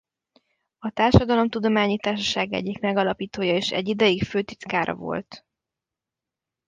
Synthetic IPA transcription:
ɒt̪aːrʃɒd̪ɒlo̞mt̪ud̪o̞maːɲit̪aːrʃɒʃaːɡɛ̰ɟːikmɛɡɒlɒpiːt̪oːjɒeːʃɛ̰ɟːid̪ɛjikføːt̪it̪kaːɾʔɒ̰vo̞̰lt̪

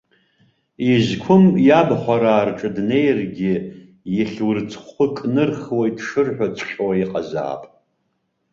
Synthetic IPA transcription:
izkʷʰʊmjabħʷaɾaːrʈ͡ʂʼɨdnejrɡʲɪ | jɪɬʲwrt͡sʰχʊkʼnɨrχwaidʰʂɨrħᶣʷat͡sʷʰχʲʼwaiqʼaza̰ːpʼ

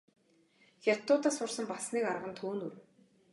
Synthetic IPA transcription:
xʲat̪ːʊːt̪aːsʊrsə̆mpasniːkaɾʁə̆nt̪ʰuːnur

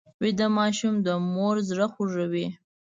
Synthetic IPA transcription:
wid̪amɑʃumd̪əmoɾzɾaχʷuʐawi

